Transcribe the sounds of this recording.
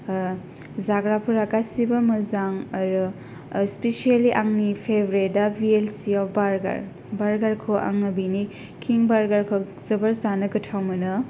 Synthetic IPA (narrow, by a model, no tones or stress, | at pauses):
zaɡɾapʰuɾakasibɐmɐzaŋɐɾɯ | spesialiʔaŋnipʰebʱɾedabielsiɔpʰbaɾɡa̰ɾ | baɾɡaɾkʰoʔa̰ŋːɐbini | kʰiŋbaɾɡaɾkʰo | zɐbɐɾzanɐɡɐtʰawmɐnɐ